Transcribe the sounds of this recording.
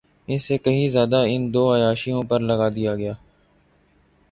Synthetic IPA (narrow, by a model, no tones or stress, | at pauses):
ɪnseːkəɦĩzjaːd̪aːɪnd̪oːəjaːʃijõːpəɾləɡaːd̪ɪjaːɡɪjaː